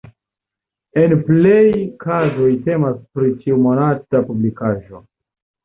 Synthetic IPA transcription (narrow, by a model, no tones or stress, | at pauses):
e̞nple̞jkʰazo̞jte̞maspɾitiumo̞natapublikaʒo̞